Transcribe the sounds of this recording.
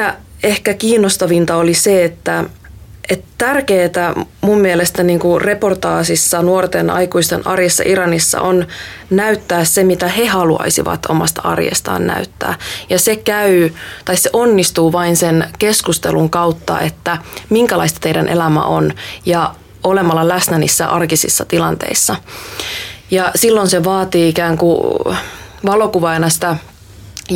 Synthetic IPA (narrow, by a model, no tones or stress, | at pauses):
æehkækiːnːost̪ɑʋint̪ɑoliseet̪ːæ | ʔet̪t̪ærkeːt̪æmumːielest̪æniːŋkure̞port̪ɑːsisːɑnuort̪enɑ̰jkuist̪enɑ̰rjesːɑ̰ʔiɾɑnisːɑ̰ʔon | næyt̪ːæːssemit̪æhe̞hɑluɑ̰isḭʋɑ̰t̪o̰mɑst̪ɑɑ̰rjḛst̪ɑ̰ːnnæ̰yt̪ːæ̰ːjɑsekæyt̪ɑisseʔonːist̪uːʋɑinsenkeskust̪ḛluŋkɑwt̪ːɑ̰ʔet̪ːæmiŋkælɑist̪ɑ̥t̪eijdænʔḛlæmæ̰ʔonjɑ | olemɑlːɑlæsnænḭːsːæʔɑrkisḭsːɑt̪ilɑnt̪ḛisːɑ | jɑsilːonseʋɑːt̪iːikæːŋku | ʋɑlo̞kuʋɑjnɑst̪æ